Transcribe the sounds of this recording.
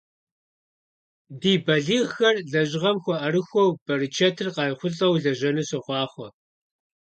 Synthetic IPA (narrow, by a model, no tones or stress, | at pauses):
diːbɐɮiːʁxɐrɮɐʑɪʁɐmxʷɔʔɐrɨxʷɔwb̥ɐrɨt͡ʃʰɐtʰɨrqɑːjχʷʊɬʼɐwɮɐʑɐnɨsɐχʷɑːχʷɔ